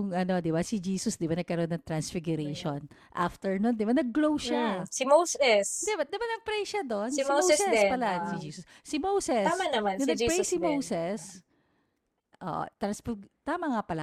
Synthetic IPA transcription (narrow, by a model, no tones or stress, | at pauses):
ʊŋʔɐno̞d̪ɪbasɪd͡ʒiːsʊsd̪ɪbanɐɡ̚kɐɾonːɐŋt̪ɾɐnsfɪɡʊɾejʃonʔaft̪ɛɹnond̪ɪbanɐɡːlowʃasimowsɛsd̪ɛbad̪ɐmanɐŋpɾɛʃɐd̪o̞nsoowɛsɛspɐlaʔsɪd͡ʒiːsʊssɪmowsɛsamanɐmanɐnɐɡ̚pɾejsɪmowsɛs | ʔo̰ːʔo̰t̪ɾɐnsfɪɡt̪amɐŋapɐla